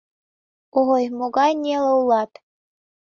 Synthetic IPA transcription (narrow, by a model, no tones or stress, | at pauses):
oʁojmoɡɑjnʲeleulˠɑt̪